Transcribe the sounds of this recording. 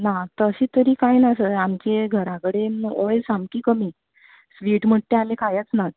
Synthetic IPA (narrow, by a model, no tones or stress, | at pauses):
nat̪əɕiːt̪əɾiːkajnaəsəamt͡ɕeɡʱəɾakəɽenɔjsambkiːkəmiː | sʋiːʈm̤əʈ̚t̪ealẽkʰajət͡snat̪